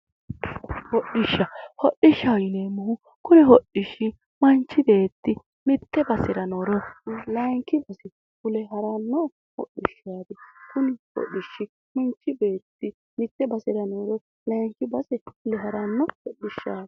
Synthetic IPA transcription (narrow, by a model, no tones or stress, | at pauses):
hɔɗːɪʃːɐhɔɗːɪʃːɐjɪneːmːʊhʊ | kʊnɛhɔɗɪʃːɪ | mɐnt͡ʃːɪb̪e̞ːt̪ːɪ | mɪt̪ːɛbɐsɪɾɐnoɾɔlɐŋkːɪbɐsɛ | kʊlɛɦɐɾɐnːɔ | hɔ̰ɗːɪʃːaːd̪ɛkʊnɪhɔ̰ɗːɪʃːɪ | mʊnt͡ʃːɪbe̞ːt̪ːɪ | mɪt̪ːɛbɐsɪɾɐnoɾɔ | lɐjŋkːɪbɐsɛkʊlɛhɐɾɐnːɔhɔɗːɪʃːaːd̪ɛ̥